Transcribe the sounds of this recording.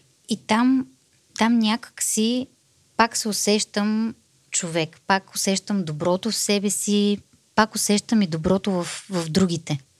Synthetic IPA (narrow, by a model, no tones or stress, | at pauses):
it̪am | t̪amnʲakə̥ksi | paksɛʊsɛʃt̪əm | t͡ʃovɛkpakʊsɛʃt̪əmd̪obɾɔt̪ofsɛbɛsi | pakʊsɛʃt̪əmid̪obɾɔt̪ovɐfvɐvd̪ɾuɡ̟it̪ɛ